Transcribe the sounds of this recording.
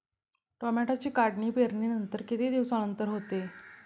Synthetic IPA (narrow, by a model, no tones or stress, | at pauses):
ʈɔmɛʈat͡ɕiːkaɖɳiːpeɾɳinənt̪əɾkit̪ʰed̪iʋsanənt̪əɾɦot̪e